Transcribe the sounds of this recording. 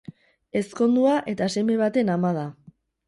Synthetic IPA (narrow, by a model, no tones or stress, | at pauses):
e̞sko̞nd̪uaʔe̞t̪aseme̞β̞at̪e̞namaða